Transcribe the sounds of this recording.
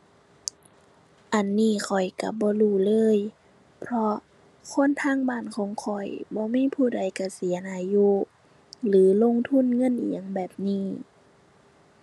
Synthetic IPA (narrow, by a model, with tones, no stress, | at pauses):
ʔa˨˩nːiː˧˩˨kʰɔ˨˩jka˧˩bɔː˧˦luː˧˩lɤː˧˥˨j | pʰɾɔ˧ | kʰo˧˥˨nt̪ʰaː˧˥˨ŋbaː˧˥˨nkʰɔː˨˦ŋkʰɔ˨˩jbɔː˧˦miː˧˥˨pʰuː˧˩˨da˨˩jka˧˩si˨˦ɐnʔaː˧˩juː˧˥ | lɯː˨˦lo˧˥˨ŋt̪ʰu˧˥˨nŋɤ˧˥˨nʔḭ˨˩ə˨ŋbɛː˨˩p̚niː˧˥˩